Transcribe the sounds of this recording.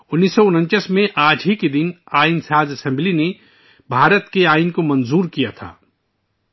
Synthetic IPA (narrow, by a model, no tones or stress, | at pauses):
ʊnːiːsːɔʊnə̃nt͡ʃəsmẽʔaːd͡ʒʱɦiked̪ɪnaːinsaːd͡ʒəsɛ̃mbline | bʱaːɾət̪keaːɪnkomɐ̃nzuːɾkija̰t̪ʰa̰ː